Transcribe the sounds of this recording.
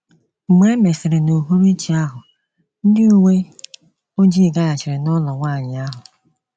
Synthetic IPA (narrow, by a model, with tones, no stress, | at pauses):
me˦me˨sɪ˨ɾe˨no˨ɦu˦ɾi˦t͡ʃi˨a˦ɦʊ˨ | n̩˦dɪ˦u˦ŋʷe˦ | o˦d͡ʒi˦˨ɡa˦ja˨t͡ʃɪ˨ɾɪ˨nɔ˦lɔ˨ŋʷaː˦˨ɲɪ˨a˦ɦʊ˨